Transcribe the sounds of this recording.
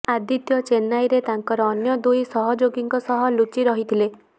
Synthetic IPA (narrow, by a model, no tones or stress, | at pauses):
ad̪it̪jɔt͡ʃenajɾet̪aŋkɔɾɔːnjɔd̪ujsɔɦɔd͡ʒoɡiŋkɔsɔɦɔlut͡ʃiɾɔɦit̪ʰile